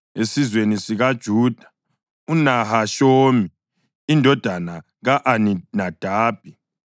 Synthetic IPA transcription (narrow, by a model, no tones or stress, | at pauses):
esizwenisiɣad̥ʒ̥ʱuːd̥ʱḁ | unahaʃoːmi | indʱɔd̥ʱana | ɣaʔaninad̥ʱaːb̥̚ʱi